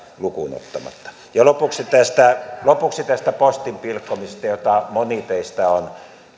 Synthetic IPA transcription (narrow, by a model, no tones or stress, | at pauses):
lukṵno̰t̪ːɑmɑ̰t̪ːɑ̥ | jɑlopuksit̪æst̪ælopuksit̪æst̪æpost̪impilkːomisest̪ɑjot̪ɑmonit̪eist̪æon